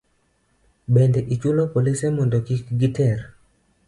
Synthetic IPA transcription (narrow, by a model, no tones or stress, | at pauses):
bɛndɛʔit͡ʃulopolisemɔndokikɡitʰɛr